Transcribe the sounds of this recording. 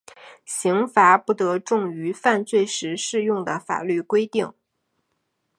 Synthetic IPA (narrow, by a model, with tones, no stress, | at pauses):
ɕi˧˥ŋfa˧˥pu˥˩t̪ɤ˧˥ʈ͡ʂʊ˥˩ŋy˧˥fa˥˧nt͡swe˥˩ɪʂɻ̩˧˥ʂɻ̩˥˧jʊ˥˩ŋd̪ə˩fa̰˨˩ly˥˩kwe˥ɪt̪i˥˩ŋ